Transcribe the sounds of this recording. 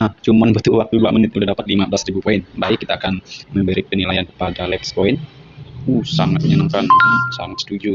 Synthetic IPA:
aht͡ʃumanbət̪ulwak̚t̪uluaʔmənɪt̪̚ulahdapat̪̚limabəlasɾibupoɪnbaikːit̪aːkanməmbəɾipənilajankə̥padalɛkspoɪn | uhsaŋat̪̚məɲənaŋkansaŋat̪sət̪ud͡ʒu

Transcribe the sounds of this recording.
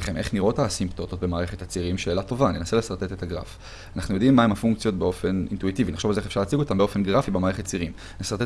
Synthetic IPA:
χemʔeχniʁʔo̞tasimpt̪o̞t̪ot̪̚bemaːʁeχet̪hat͡siʁimʃe̞ːlato̞vanenasele̞saʁt̪e̞t̪et̪aɡʁa̰f | anaχnujo̞d̪imːaemhafuŋk̚t͡sijo̞t̚beo̞fe̞nḭntuitiviniχʃo̞valzeeefʃaʁlaːt͡siɡo̞t̪ambeo̞fenɡʁafibemaːʁeχet̪̚t͡siʁim | nesaʁte

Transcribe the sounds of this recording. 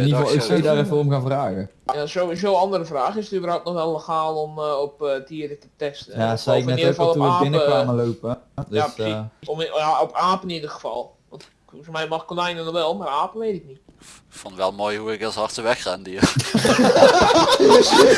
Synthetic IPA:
ɪnnivɔlˠɪksejdarəforəmkanvraːɣəjasoisoːɑndərəfraːxɪsətybərhawtnɔxʋɛlˠləxaːlˠomɔpətʰiədətətɛstəjasɛjɪknɛtofɔlˠtuəaːbɪnəʋaːməlowpəds | aopaːpənnidəxəfɑ̰lˠ | ʋɑnt | fɔrmɛjmɔxkolajnənɔʋɛlˠmaraːpəʋeːtɪk̚nit | kfɔntʋɛlˠmoːjhuɪkashɑrtəʋɛxxaːndiə | s

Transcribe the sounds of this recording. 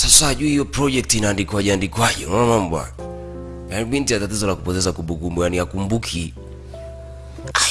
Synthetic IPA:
sasaːʄuihijɔpɾɔd͡ʒɛk̚tinaːndikwaʄɛandikwaʄɛmɔnamambwa̰ | janiɓintijatatizɔlakupɔtɛzakumbukumbɔjaniakumbukʰi | a

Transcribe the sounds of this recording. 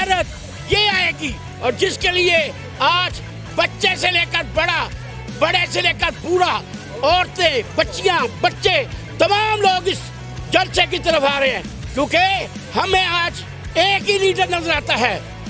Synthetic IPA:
ɛːɾət̪ | jeaːeːɡi | ɔːɾd͡ʒɪskelie | aːd͡ʒ | bɐtːʃeseleːkəɾbɐɽa | bɐɽeseleːkəɾpuːɾa | ɔːɾt̪ẽbɐtːʃijãbɐtːʃẽ | t̪ɐmaːmloːɡɪs | d͡ʒɐɾt͡ʃek̬it̪ɐɾəfaːɾɐɦeɦɛ̃ːkjõːke | hɐmẽaːd͡ʒ | eːkɦiliːʈəɾnɐzəɾaːt̪aɦɛː

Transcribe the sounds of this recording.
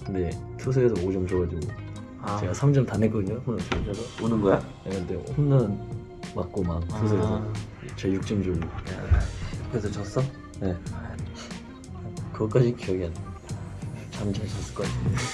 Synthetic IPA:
nde̞tʰus̬ʰeesʰʌod͡ʑʌmt͡ɕoɡad͡ʑiɡo | t͡ɕe̞ɡasʰamd͡ʑʌmtanːetk͈ʌdɯɲohonɯntʰepʰesʰʌonɯnɡʌja | eɯnteomnɯn | mak͈omaŋttusʰeesʰʌ | t͡ɕejuk̚t͡ɕ͈ʌmd͡ʑolːokɯɾesʰʌt͡ɕʌs͈ʌ | ne | kɯɡʌk͈ad͡ʑikijʌɡiɦan | t͡ɕamt͡ɕʰat͡ɕʌs͈ɯɭk͈ʌk͈ate

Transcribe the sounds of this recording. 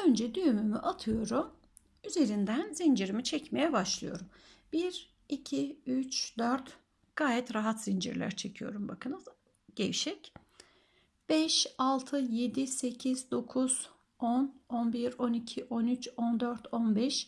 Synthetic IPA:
ønd͡ʒɛd̪yjymymyʔat̪ʰɯjo̞ɾum | yze̞ɾind̪ænzind͡ʒiɾimit͡ʃʰɛcme̞jɛbaʃlˠɯjo̞̰ɾumb̥iɾ | icʰiyt͡ʃd̪øɾt̪ | ɡ̥aːjɛt̪ɾaɦat̪z̥ind͡ʒḭɾlʲæ̰ɾt͡ʃʰe̞cʰijo̞̰ɾumba̰kʰɯnɯ | ɟ̥ejiʃɛc | b̥ɛʃalˠt̪ʰɯje̞d̪ise̞cʰizd̪o̞kʰuz̥ | ononbiɾo̞nicʰiʔonyt͡ʃo̞nd̪øɾt̪ʰonbɛʃ

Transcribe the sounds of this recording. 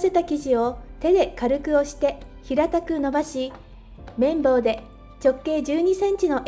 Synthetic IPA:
se̞t̪akʲiʑio̞t̪e̞d̪e̞kaɾɯ̟kɯ̟o̞ɕi̥t̪e̞ | çiɾat̪akɯ̟no̞baɕi | mẽ̞mbo̞ːd̪e̞ | t͡ɕo̞kːe̞ːd͡ʑɨːɲ̟isẽ̞ɲ̟t͡ɕino̞ʔ

